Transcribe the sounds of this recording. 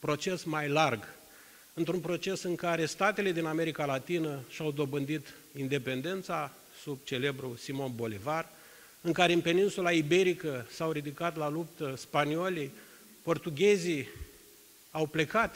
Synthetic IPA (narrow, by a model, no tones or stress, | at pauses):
pɾo̞t͡ʃe̞smajlarɡ | ɨnt̪ɾunpɾo̞t͡ʃe̞sɨŋkaɾe̞st̪at̪e̞le̞d̪iname̞ɾikalat̪inəʃawd̪o̞bɨnd̪it̪ | ind̪e̞pe̞nd̪e̞nt̪sa | sub̚t͡ʃe̞le̞bɾusimo̞nbo̞livar | ɨŋkaɾe̞ɨnpe̞ninsulaibe̞ɾikəsawɾid̪ikat̪lalupt̪əspaniolʲij | po̞rt̪uɡʲe̞zi | awple̞kat̪